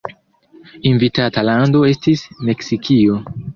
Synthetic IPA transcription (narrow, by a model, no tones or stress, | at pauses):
invitatalando̞e̞stisme̞ksikʰio̞